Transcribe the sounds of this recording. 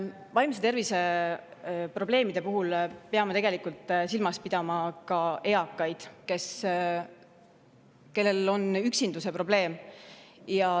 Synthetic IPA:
vɑjmse̞t̪e̞rvise | pro̞b̥le̞ːmid̪̥e̞puɦulpeɑmet̪e̞ɡ̥e̞likult̪ːˑsilmɑspid̪̥ɑmɑkɑe̞ɑkːˑɑjd̪̥ke̞s | ke̞lːe̞lo̞nyksind̪̥use̞pro̞b̥le̞ːm | jɑ

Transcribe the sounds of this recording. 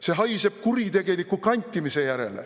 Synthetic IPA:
seɦɑjse̞b̥̚kuɾit̪e̞ɡ̥e̞nikːˑukɑnʲt̪ʲːˑimise̞jæɾe̞̰lḛ

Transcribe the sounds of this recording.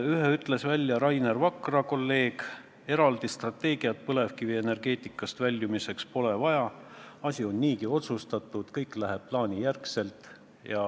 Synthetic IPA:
yheyt̪ːˑle̞svælʲːjɑɾɑjnervɑkrɑko̞lːe̞ːɡ̥ | e̞ɾɑld̪̥ist̪rɑt̪ːe̞ːɡiɑt̪̚pɤle̞vkiviene̞rɡ̥e̞ːt̪ˑikːˑɑst̪vælʲːjumise̞kspo̞le̞vɑjɑɑsʲio̞nːiːkio̞t̪sust̪ɑt̪ːˑud̪̥kɤjkːˑlæɦe̞b̚plɑːnijærkse̞lt̪ˑ | jɑ

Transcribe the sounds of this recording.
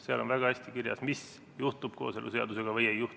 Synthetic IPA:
seɑ̰lo̞nvæɡ̥ɑæsʲt̪ikirjɑ̰smis | juht̪ub̥ko̞̰ːse̞lʔṵse̞ɑ̰d̪use̞ɡ̥ɑvɯje̞jːuh

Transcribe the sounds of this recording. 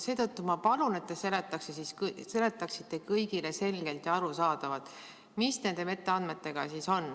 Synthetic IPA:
se̞ːt̪ɤt̪ːumɑpɑlune̞t̪ːese̞let̪ːˑɑksesiskse̞le̞t̪ːˑɑksit̪ːe̞kɤjɡile̞se̞lɡ̥e̞lt̪jɑɑɾusɑːd̪̥ɑvɑd̪̥ˑ | misne̞nd̪eme̞t̪ːe̞ɑnd̪me̞t̪ːe̞ɡ̥ɑsiso̞n

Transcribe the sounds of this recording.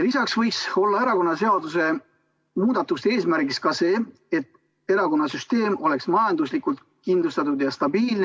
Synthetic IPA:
lisɑksvɤjkso̞lːɑe̞ɾɑko̞nːɑse̞ɑd̪use̞ | muːd̪̥ɑt̪ːˑust̪e̞ːsmæɾɡiskɑse̞ː | e̞t̪ː | e̞ɾɑko̞nːɑsyst̪e̞ːmo̞le̞ksmɑjɑnd̪uslikˑult̪ | kind̪lust̪ɑt̪ud̪jɑst̪ɑbiːln

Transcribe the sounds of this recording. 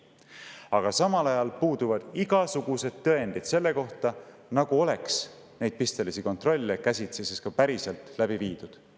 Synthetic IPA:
ɑɡ̥ɑsɑmɑlɑjɑlpuːd̪̥uvɑd̪̥iɡɑsuɡ̥use̞d̪̥t̪ːɤe̞nd̪̥id̪̥se̞lːe̞ko̞ht̪ɑnɑɡ̥uo̞le̞ks | ne̞jd̪̥̚pist̪e̞lisiko̞nt̪ro̞lʲːekæsʲit̪seseskɑpæɾise̞lt̪læbiviːd̪̥ud̪̥

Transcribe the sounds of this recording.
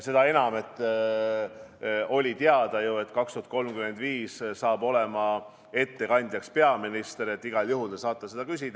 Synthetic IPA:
se̞d̪̥ɑe̞nɑme̞t̪ːˑ | o̞lʲit̪eɑd̪̥ɑjue̞t̪kɑkst̪uhɑt̪̚ko̞lmkyme̞nd̪viːssɑːbo̞le̞mɑ | e̞t̪ːe̞kɑnʲd̪̥ʲjɑkspe̞ɑminist̪eɾet̪ːˑiɡ̥ɑljuɦulesɑːt̪ːˑɑse̞d̪̥ɑkys̬ʲid̪̥

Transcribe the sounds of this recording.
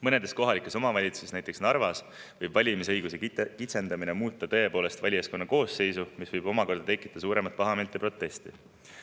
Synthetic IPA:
mɤne̞d̪esko̞ɦɑlikːˑeso̞mɑvɑlʲit̪su̥sesnæjt̪eksnɑrvɑs | vɤjb̥vɑlʲimisɤjɡ̥usekit̪se̞nd̪̥ɑminemuːt̪ˑːɑt̪ɤ̞e̞po̞ːle̞st̪vɑlʲijɑsko̞nːɑko̞ːsːe̞jsumisvɤjb̥o̞mɑko̞rd̥̪ɑt̪e̞kːˑi̥t̪ːˑɑsuːɾe̞mɑt̪̚pɑɦɑment̪ːˑepro̞t̪ːˑe̞st̪i

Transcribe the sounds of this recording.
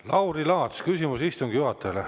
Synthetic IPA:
lɑwɾilɑːt̪skysʲimusist̪uŋɡ̥juɦɑt̪ːˑele

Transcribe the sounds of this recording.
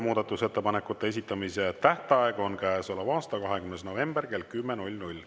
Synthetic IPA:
muːd̪̥ɑt̪ːˑuse̞t̪ːe̞pɑne̞kːˑut̪ːˑe̞e̞s̬ʲit̪ːˑɑmiset̪æht̪eɑeɡ̥o̞nkæesolɑvɑːst̪ɑkɑɦe̞kymnes̬no̞ve̞mb̥erke̞lkymːenulʲnulʲ

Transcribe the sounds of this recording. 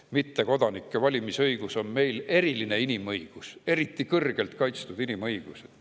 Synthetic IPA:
mit̪ːe̞ko̞d̪ɑnikːe̞vɑlʲimisɤjɡ̥uso̞nme̞jle̞ɾiline̞inimɤjɡ̥use̞ɾit̪ːˑikɤrɡ̥e̞lt̪kɑjt̪st̪ud̪̥inimɤjɡ̥used̪̥

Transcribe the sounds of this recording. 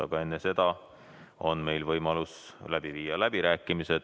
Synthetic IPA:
ɑ̰ɡ̥ɑe̞nːese̞d̪̥ɑ | o̞nme̞jlvɤjmɑluslæb̥iviːjɑlæb̥iɾæːkːˑimise̞d̪̥

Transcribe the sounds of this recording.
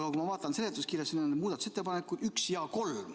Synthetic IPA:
ɡ̥ɑkumɑvɑːt̪ːˑɑnse̞let̪ːˑuskirjɑsennemuːd̪ɑt̪u̥se̞t̪ˑːepɑnekːˑu̥yksjɑko̞lm

